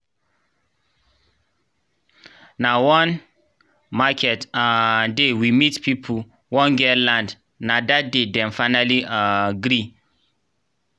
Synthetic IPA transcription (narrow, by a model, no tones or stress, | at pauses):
nawɔ̃n | makʰɛtadewimitpʰipʰ | wɔ̃nɡɛlãnd | nadat̚dedɛ̃nfãɪnaliaɡɾi